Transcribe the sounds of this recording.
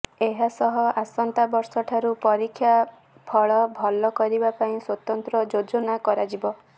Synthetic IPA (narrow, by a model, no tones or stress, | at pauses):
eɦasɔɦɔʔasɔnt̪abɔɾsɔʈʰaɾupɔɾikʰːja | pʰɔɭɔbʱɔlɔkɔɾibapaĩswɔt̪ɔnt̪ɾɔd͡ʒod͡ʒɔnakɔɾad͡ʒibɔ